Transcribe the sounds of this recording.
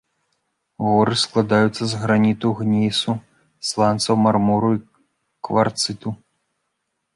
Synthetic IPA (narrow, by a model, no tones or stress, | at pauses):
ɣɔɾɨsklˠad̪ajut̪sːɐzɣɾanʲit̪uɣnʲejsu | slˠant̪sɐwmarmuɾui | kvart̪sɨt̪u